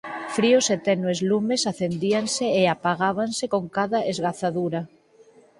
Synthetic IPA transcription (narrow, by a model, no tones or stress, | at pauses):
fɾioset̪ɛnoezlumesaθend̪ianseːapaɣaβ̞ansekoŋkaðaʔezɣaθaðuɾa